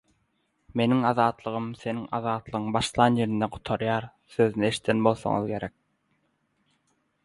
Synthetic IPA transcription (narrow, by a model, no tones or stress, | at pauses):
me̞niŋɑðɑːt̪lˠɯʁɯmθe̞niŋɑ̰ðɑːt̪lˠɯʁɯŋbɑʃlˠɑːnje̞ɾind̪eqʰu̥t̪ʰɑɾjɑːɾ | θøðynieʃi̥t̪ʰenbo̞lˠθo̰ŋṵðɡe̞ɾek̚